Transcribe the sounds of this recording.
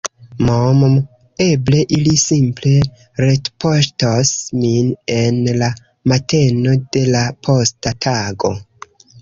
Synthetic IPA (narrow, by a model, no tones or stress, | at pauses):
momm | e̞ble̞ʔilisimple̞ | ɾetpoʃtosmine̞nla | mate̞node̞lapʰostatʰaɡo̞